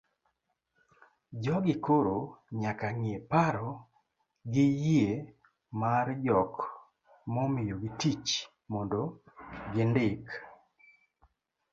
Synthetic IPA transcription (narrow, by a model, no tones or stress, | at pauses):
d͡ʒɔɡɪkoɾoɲakaŋepaɾɔ | ɡɪjie | mard͡ʒɔk | mɔmɪjoɡɪtit͡ʃ | mɔndo | ɡɪndɪk